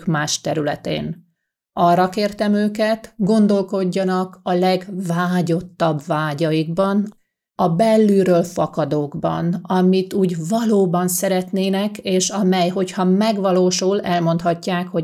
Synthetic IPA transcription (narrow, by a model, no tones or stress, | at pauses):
kmaːʃt̪ɛɾylɛt̪ḛːn | ɒrːɒkeːrt̪ɛmøːkɛt̪ɡo̞nd̪o̞lko̞ɟːɒnɒkɒlɛɡvaːɟo̞t̪ːɒbvaːɟɒjiɡbɒn | ɒbɛlːyːɾøːlfɒkɒd̪oːɡbɒ̰nɒmit̪uːɟvɒloːbɒnsɛɾɛt̪neːnɛkeːʃɒmɛjɦo̞chɒmɛɡʋɒloːʃulɛlmo̞nt̪hɒcːaːkho̞